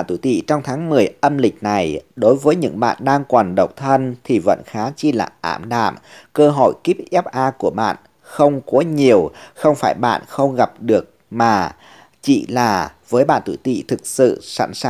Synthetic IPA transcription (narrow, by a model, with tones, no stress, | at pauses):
a˧˨t̪ṵ˧˩t̪ḭ˧˨t͡ɕɔ˧wŋ͡mt̪ʰaː˨˦ŋmɨ˨˩əjʔə˧mlï˨˩k̟̚na˨˩jɗo˨˦jvəː˨˦jɲɨ̰˧˥ŋɓa̰ː˧˨nɗaː˧ŋkwaː˨˩nɗə˨˩wk͡p̚t̪ʰə˧nt̪ʰi˨˩və̰˧˨nxaː˨˦t͡ɕi˧la̰ː˨˩ʔa̰ː˧˩mɗa̰ː˧˨mkəː˧ɦo˧˩jki˦˥p̚ʔɛ˦˥p̚ʔaː˧ku˧˩əɓa̰ː˧˨n | xə˧wŋ͡mko˨˦ɲi˨˩əwxə˧wŋ͡mfaː˧˩jɓa̰ː˧˨nxə˧wŋ͡mɣa˨˩p̚ɗɨ˨˩ək̚ | maː˨˩ | t͡ɕḭ˧˨laː˨˩vəː˨˦jɓa̰ː˧˨nt̪ṵ˧˩t̪ḭ˧˨t̪ʰɨ˨˩k̚sɨ̰˧˨sa̰˧˩nsa˧